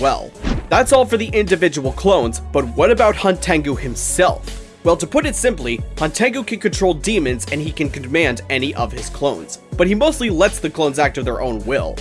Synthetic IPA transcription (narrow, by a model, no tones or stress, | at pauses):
wɛ̰lˠðætsɔlˠfə˞ðiʔɪ̃ndɨvɪd͡ʒəwl̩ˠkʰl̥õʊ̃nzb̥ʌt̚wʌɾɨbaʊt̚hɑ̃ntʰæ̃ŋɡuɨ̃msɛ̰lˠf | wɛlˠtɨpʰʊɾɨtsɪ̃mplihɑ̃ntʰæ̃ŋɡukʰɨ̃nkʰɨ̃ntʰɹ̥oʊlˠdĩmɨ̃nzɨ̃nikɨ̃nkɨ̃nmæ̃ndɛniʔʌv̥ɪz̥kʰl̥õʊ̃nz̥b̥ʌt̚himoʊstˡlilɛtsðɨkʰl̥õʊ̃nzæk̚tʌvðə˞ʔõ̰ʊ̃nwɪ̰lˠ